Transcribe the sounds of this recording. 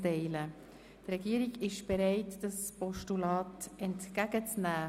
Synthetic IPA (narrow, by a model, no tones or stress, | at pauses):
tɛɪlə | trɛɡiːəɾiɡɪʃb̥ɛɾɛɪtd̥aspɔʃtulɑːtɛntkæɡət͡snæː